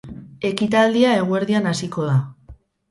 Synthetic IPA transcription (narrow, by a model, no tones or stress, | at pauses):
e̞kit̪ald̪iae̞ɣ̞ue̞ɾðianasiko̞ða